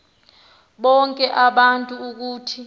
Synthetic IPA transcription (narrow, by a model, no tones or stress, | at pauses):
ɓɔŋkʼɛʔaɓantʼuːk̬uːtʰi